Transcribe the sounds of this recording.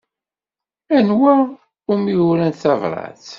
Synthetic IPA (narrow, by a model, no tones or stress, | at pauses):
ænwæɾ | umjuɾænθɑvɾˤɑ̰θ